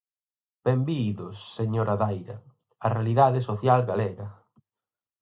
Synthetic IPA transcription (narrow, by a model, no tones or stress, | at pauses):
b̥embiðosːeɲoɾaðajɾɐ̰ | ɐrealiðaðesoθjalɡalɛɾɐ